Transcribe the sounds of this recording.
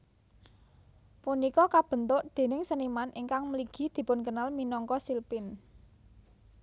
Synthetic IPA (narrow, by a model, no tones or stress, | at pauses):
punikɔkab̥ə̤nt̪ʊʔd̪̥e̤nɪŋsənimanʔiŋkaŋməliɡ̥i̤d̪̥i̤pʊnkənalminɔŋkɔsilpɪn